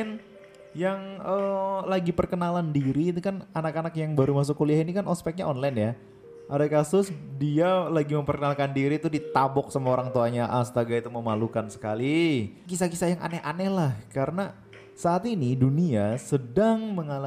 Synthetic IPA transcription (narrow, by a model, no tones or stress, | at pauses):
n | jaŋəlaɡipərkənalandiɾiːt̪ukananakanakjaŋbaɾumas̬ʊkːuliahinikanʔɔspɛk̚ɲaɔnlanja | ʔadakasʊsdialaɡiməmpərkənalkandiɾit̪udit̪abɔk̚samaoɾaŋt̪oaɲaʔast̪aɡait̪uməmalukansə̥kalikisakisajaŋʔa̰nɛhʔanɛhlahkaɾəna | saːt̪iniduniasədaŋməŋala